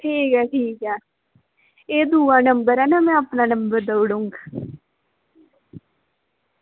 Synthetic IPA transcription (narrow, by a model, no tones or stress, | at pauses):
ʈʰiːkɛːʈʰiːkɛː | eːd̪uːãːnəmbəɾɛnamɛ̃ːapnaːnəmbəɾd̪əʋɽuŋɡ